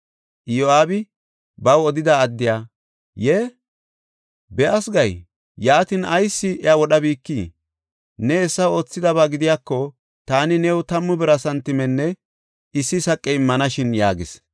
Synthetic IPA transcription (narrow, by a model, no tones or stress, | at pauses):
ʔjoaːbɪ | bɐwɔd̪ɪd̪ɐːd̪ːɪjaː | jeː | bɛʔɐsɡɐj | jaːt̪ɪnʔɐjsːɪʔɛawɔɗɐbiːkːiː | nɛːsːɐwo̞ːt͡sːɪd̪ɐβaːɡɪd̪ɪjaːkːɔ | t̪aːnɪnɛwt̪ɐmːʊbɛɾɐsɐnt̪ːɪmɛnːɛ | ɪsːɪsɐkʼːɛɪmːɐnɐʃɪnja̰ːɡɪ̰s